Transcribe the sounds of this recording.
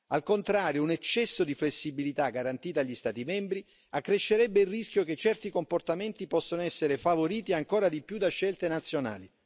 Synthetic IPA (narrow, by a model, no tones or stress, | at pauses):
alkont̪ɾaːɾjounɛt͡ʃːɛsːod̪iflesːibilit̪aɡaɾant̪iːt̪aʎːist̪aːt̪imɛmbɾi | akːɾeʃːeɾɛbːeilrːiskjoket͡ʃːɛrt̪ikomport̪ament̪ipɔsːonoɛsːeɾefavoɾiːt̪iaŋkoːɾad̪ipjud̪aʃːɛlt̪enat̪sːjona̰ːli